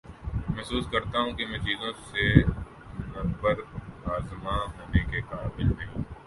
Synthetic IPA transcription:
mɛɦsuːskɐɾt̪aɦũkemɛ̃ːt͡ʃiːzõse | nɐbəɾaːzmaɦoːnekeqaːbɪlnɐɦĩː

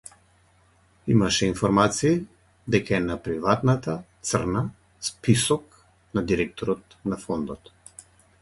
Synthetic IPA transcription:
imaʃɛinfɔɾmat̪siː | d̪ɛkaɛnapɾivat̪nat̪at̪srna | spisɔk | nad̪iɾɛk̚t̪ɔɾɔt̪̚ | nafɔnd̪ɔt̪

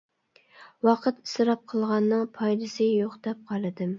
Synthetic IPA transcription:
wɑqʰɨt̪i̥sɾɑp̚qʰəlˠʁɑnːɨŋpʰɑjd̪ɪsɨjoqd̪ɛp̚qʰɑlˠɨd̪ɪm

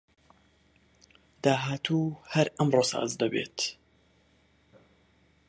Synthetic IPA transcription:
d̪̥aːɦaːt̪ʰuːhɐɾɐmroːsa̰ːzd̪ɐbḛt̪

